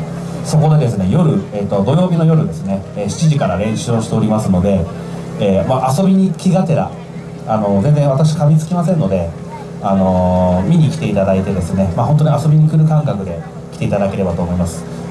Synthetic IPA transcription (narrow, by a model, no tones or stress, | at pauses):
so̞ko̞d̪e̞d̪e̞sɨne̞jo̞ɾɯ̟et̪ːo̞d̪o̞jo̞ːbʲino̞jo̞ɾɯ̟d̪e̞sɨne̞ːɕi̥t͡ɕiʑikaɾaɾẽ̞ɰ̃ɕɨːoɕi̥t̪e̞o̞ɾʲimasɨno̞d̪e̞ | eːmaʔaso̞bʲiɲ̟ikʲiɡat̪e̞ɾa̰ː | no̞zẽnd͡zẽ̞ɰ̃βat̪akɕ̬i̥kabʲit͡sɨ̥kʲimas̬ẽnːo̞d̪e̞ | ano̞mʲiɲ̟ikʲi̥t̪e̞it̪ad̪ait̪e̞d̪e̞sɨne̞maho̞nt̪̬oɲ̟iaso̞bʲiɲ̟ikɯ̟ɾɯ̟kãŋkakɯ̟d̪e̞ | kʲi̥t̪e̞it̪ad̪ake̞ɾe̞bat̪o̞ːmo̞imasɨ̥